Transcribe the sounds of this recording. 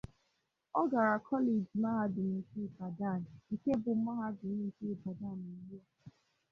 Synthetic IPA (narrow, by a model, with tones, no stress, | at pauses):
ɔ˦ɡa˨ɾa˨kʰɔ˦le˨d͡ʒma˦ɦa˦dʊ˨ni˦si˦˨pa˨da˦˨n˨i˨ke˦bʊ˨˦ma˦ɦa˦dʊ˨ni˦si˦˨ba˨da˦˨ni˨i˦a˦